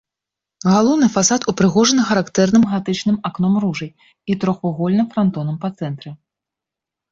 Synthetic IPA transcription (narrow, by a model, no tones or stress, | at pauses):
ɣalˠɔwnɨfasat̪upɾɨɣɔʐɐnɨxɐɾakt̪ɛrnɨmɣat̪ɨt͡ʂnɨmaknɔmruʐɐj | it̪ɾɔxɔɣɔlʲnɨmfɾant̪ɔnɐmpɐt̪sɛnt̪ɾɨ